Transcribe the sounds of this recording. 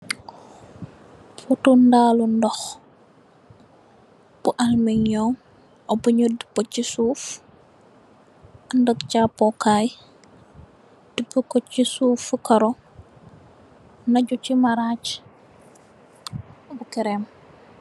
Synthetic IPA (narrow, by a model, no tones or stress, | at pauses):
putundaːlundɔx | b̥uʔalmiɲɔŋ | ʔɔbuɲodi̥pot͡ʃːisuf | andəɡt͡ʃapɔkaj | d̥ipːukocisufkɐɾɔ | naɟut͡ʃimaɾat͡ʃ | bukɛɾem